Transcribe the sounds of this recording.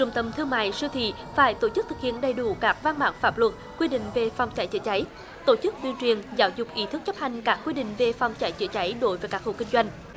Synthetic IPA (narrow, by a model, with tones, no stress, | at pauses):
t͡ɕʊ˨˧˩ŋ͡mt̪ə˨˩mt̪ʰɨ˧əma̰ː˧˨jsɨ˧t̪ʰḭ˧˨ | faː˧˩˦jt̪o˧˩t͡ɕɨ˦˥k̚t̪ʰɨ˨˩k̚hḭ˧˨ənɗə˨˩jɗu˧˩˦kaː˦˥k̚vaː˧nma̰ː˧˥ŋfaː˦˥p̚lwə˨˩t̚kːwi˧ɗḭ̈˧˨ŋ̟ve˨˩fa˨˧wŋ͡mt͡ɕa˨˦jt͡ɕə̰ː˧˦t͡ɕa˨˦j | t̪o˧˩t͡ɕɨ˦˥k̚t̪wi˧t͡ɕwi˨ənzaː˨˦wzʊ˨˩k͡p̚ʔi˨˦t̪ʰɨ˦˥k̚t͡ɕə˦˥p̚ha˨˩jŋ̟kaː˦˥k̚ːwi˧ɗḭ̈˧˨ŋ̟ve˨˩fa˨˧wŋ͡mt͡ɕa˧˩jt͡ɕə̰˧˩˦t͡ɕa˨˦jɗo˨˦jvəː˨˦jkaː˦˥k̚ho̰˧˨˩kï˧ŋzwa˧jŋ̟